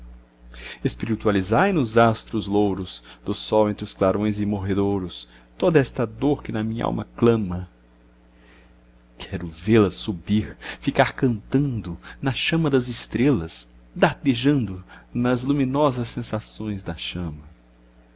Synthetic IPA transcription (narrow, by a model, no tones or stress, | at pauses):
espiɾit̪ualizajnʊzast̪ɾʊzlowɾʊsd̪ʊsɔwẽnt̪ɾɪʊsklaɾõj̃zɪmoɦed̪oɾʊs | t̪od̪ɐɛst̪ɐd̪oɾkɪnɐmĩɲɐ̰ʔa̰wmɐklɐ̃mɐ | kʰɛɾʊvelɐsubiɾfikaɾkɐ̃nt̪ɐ̃nd̪ʊnɐʃɐ̃mɐd̪ɐzɪst̪ɾelɐs | d̪aɾd̪eʒɐ̃nd̪ʊnɐzlumĩnɔzɐsːẽsasõj̃zd̪ɐʃɐ̃mɐ